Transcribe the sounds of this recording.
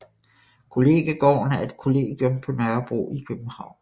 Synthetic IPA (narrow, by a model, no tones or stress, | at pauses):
kʰo̝le̝ːɡ̥æɡ̥ɒ̰ːnæe̝d̥kʰo̝le̝̰ːɡ̥iɔmpʰɒ̽nœɐb̥ʁo̝̰ːikʰøb̥n̩hɑ̈ʊ̰n